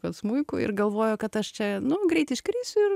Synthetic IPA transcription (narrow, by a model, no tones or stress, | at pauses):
kɐt̪smuɪkʊ̰ɪ̰rɡɐlˠʋoːjʊkɐt̪ɐʃt͡ʃʲɛnʊɡɾʲɛɪt̪ʲɪʃkɾʲiːsʲʊɪr